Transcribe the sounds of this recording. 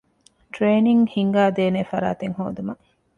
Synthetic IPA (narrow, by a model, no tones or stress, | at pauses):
ʈɾeːniŋhiŋɡaːd̪eːnefɐɾa̰ːt̪eŋho̰ːd̪umɐ